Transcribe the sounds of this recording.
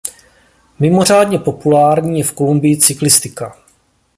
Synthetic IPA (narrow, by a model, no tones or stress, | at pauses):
mɪmo̞r̝aːdɲɛpo̞pulaːɾɲiːjɛfko̞lumbɪjɪt͡sɪklɪst̪ɪka